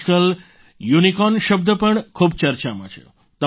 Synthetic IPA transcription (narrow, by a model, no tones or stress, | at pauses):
kəl | junikɔnʃəb̚d̪ʱəpəɳkʰubt͡ʃəɾt͡ʃamə̰t͡ʃʰḛ | t̪ə